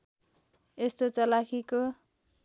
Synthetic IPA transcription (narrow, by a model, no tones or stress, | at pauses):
est̪ot͡sʌlakʰiko